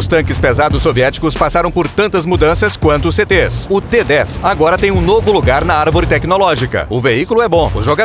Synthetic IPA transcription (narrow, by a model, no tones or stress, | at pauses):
ʊst̪ɐ̃ŋkɪspezad̪ʊsːoviɛt͡ʃi̥kʊspasaɾɐ̃w̃poɾt̪ɐ̃nt̪ɐzmud̪ɐ̃sɐskwɐ̃nt̪ʊset̪esʊt̪ed̪ɛsaɡɔɾɐt̪ẽj̃ũnovʊluɡaɾnɐaɾvoɾɪt̪ɛknolɔʒikɐ̰ʊveikulʊɛbõʊʒoɡa